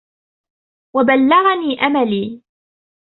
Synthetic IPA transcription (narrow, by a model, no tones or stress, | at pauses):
wabalːɑɣaniːʔamaliː